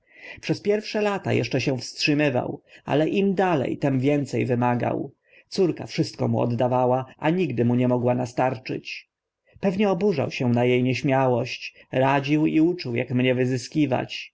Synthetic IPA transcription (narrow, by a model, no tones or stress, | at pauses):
pʂɛspʲjɛɾfʂɛlat̪a̰jɛ̰ʂt͡ʂɛɕɛ̃fstʂɘmɘva̰wa̰lɛʔimd̪alɛ̰jt̪ɛmvʲjɛnt̪sɛ̰jvɘmaɡa̰w | t̪suɾkafʂɘst̪̚kɔ̰muɔ̰d̪d̪avawaʔaɲiɡd̪ɘmuɲɛmɔɡwanast̪aɾt͡ʂɘ̰t͡ɕ | pɛvɲɛɔbuʐa̰wɕɛ̃najejɲɛɕmʲjawɔɕt͡ɕɾad͡ʑiwiut͡ʂuwja̰kmɲɛvɘzɘskʲiva̰t͡ɕ